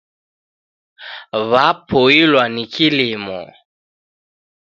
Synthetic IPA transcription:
βapʰɔilwanikilimɔ̰

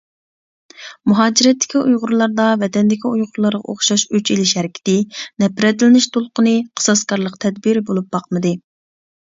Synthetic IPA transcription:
muɦɑːd͡ʒiɾɛt̪ːɪ̥kʲiujʁʊɾlˠɑɾd̪ɑvɛt̪ɛnd̪ɪkʲiujʁʊɾlˠɑɾʁɑ̰ʔoχʃɑʃyt͡ʃʰilɪʃhɛɾɪkʲʰi̥t̪ɪnɛpɾɛt̪lɪnɪʃt̪ʰolˠqənɨqʰə̥sɑskɑɾlˠəqt̪ʰɛd̪biɾbolˠup̚bɑqmɨd̪ɨ

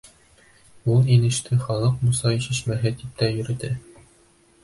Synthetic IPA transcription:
ulˠinɘ̆ʃt̪ʰɘχɒlˠɤqmusɑĭɕɘ̆ɕmæɦɘt̪ip̚t̪æjɵ̆ɾɘ̆t̪ɘ

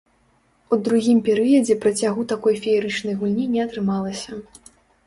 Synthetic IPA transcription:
ud̪ɾuɣʲimpʲɛɾɨjɐd͡zʲɛpɾɐt͡sʲaɣut̪akɔjfʲɛɛɾɨt͡ʂnɐjɣulʲnʲinʲɛɐt̪ɾɨmalˠɐsʲɐ

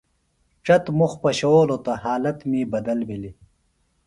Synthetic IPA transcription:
ʈ͡ʂɐt̪muxpɐɕooːlot̪ɐhaːlɐt̪mibɐd̪ɐlbili

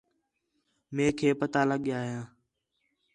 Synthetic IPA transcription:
mẽːkʰeːpət̪aːləɠjaːɦjãː

